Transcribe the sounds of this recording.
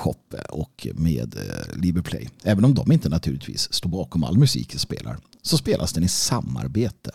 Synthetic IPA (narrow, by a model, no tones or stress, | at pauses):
ɧɔpːəʔɔkʰmeːd̪libəɾpʰlɛ̰jɛːvənɔmd̪ɔmɪnt̪ənat̪ʰʉ̟ːlɪt̪vḭːst̪oːɾbɑːkɔma̰lːmɵsḭːkʰspḛːlʔa̰ɾ | sɔspeːlʔasd̪ɛnɪsamːa̰ɾbeːt̪ə